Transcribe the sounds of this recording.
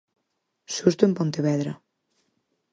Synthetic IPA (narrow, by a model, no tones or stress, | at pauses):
ʃust̪uempont̪eβɛðɾɐ